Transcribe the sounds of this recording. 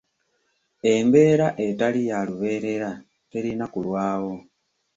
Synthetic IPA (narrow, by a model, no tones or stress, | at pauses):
e̞mbe̞ɾaʔetalijaluβe̞ɾe̞ɾa | teɾinakulwaːwo̞